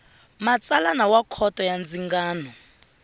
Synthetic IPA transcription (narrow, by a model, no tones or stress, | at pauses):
mat͡sʼalanawakʰɔtʼɔjand͡ziŋɡaːnɔ